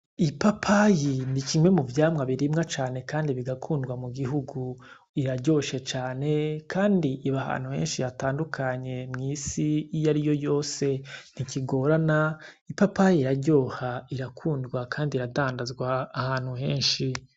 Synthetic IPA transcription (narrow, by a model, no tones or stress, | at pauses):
ipapʰajiniciŋwe̞muvjaːmŋaβiɾimŋat͡ʃaːne̞kaːndiβiɡakʰuːndɡwamuɡiɦuɡu | iɾaɟo̞ːʃe̞t͡ʃaːne̞kʰaːndiʔiβaha̰ːn̥huhe̞̰ːnʃijataːndukʰaɲe̞mŋisijaɾijo̞jo̞ːse̞n̥iciɡo̞ːɾana | ipapajiiɾaɟo̞ːhaiɾakʰuːndɡwakʰaːndiɾadaːndazɡwaːhaːn̥huhe̞ːnʃi